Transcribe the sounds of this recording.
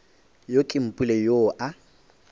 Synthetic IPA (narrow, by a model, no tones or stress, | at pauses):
jokʼɪm̩pʼulejoʔa